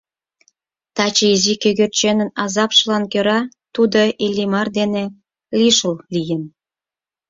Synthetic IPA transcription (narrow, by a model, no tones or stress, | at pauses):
t̪ɑt͡ɕəizikøɣørt͡ɕenə̆nɑzɑpʃəlɑnkøɾɑ | t̪ud̪oʔelʲːimɑrd̪ene | liʃəllijən